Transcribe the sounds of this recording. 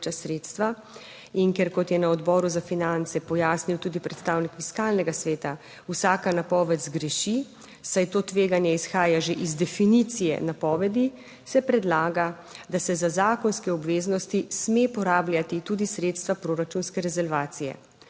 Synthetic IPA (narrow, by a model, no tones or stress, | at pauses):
t͡ʃasɾeːt̪st̪ʋa | inkɛɾkɔt̪jɛnaɔd̪bɔːɾuzafinant̪sɛpɔjaːsniwt̪uːd̪ipɾɛt̪st̪aːwnikfiskaːlnɛɡasʋeːt̪a | usaːkanapɔːʋɛt̪zɡɾɛʃi | sajt̪oːt̪ʋeːɡanjɛisxaːjaʒeʔizd̪ɛfinit̪sijɛ̰napɔːʋɛd̪i | sɛpɾɛd̪laːɡa | d̪asɛzazaːkɔnskɛɔbʋeːznɔst̪ismepɔɾaːblʲjat̪it̪ud̪isɾeːt̪st̪ʋapɾoɾat͡ʃunskɛɾɛzɛlʋaːt̪sijɛ̰